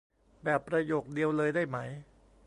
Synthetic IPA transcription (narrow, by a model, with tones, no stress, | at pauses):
bɛː˨˩pːɾa˧joː˨˩k̚di˧əwlɤː˧jdaː˥˩jma˦˥j